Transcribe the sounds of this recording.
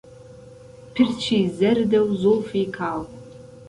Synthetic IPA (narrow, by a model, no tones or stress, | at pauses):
pʰɪrt͡ʃʰiːzɐrdɐwzofiːkʰaːl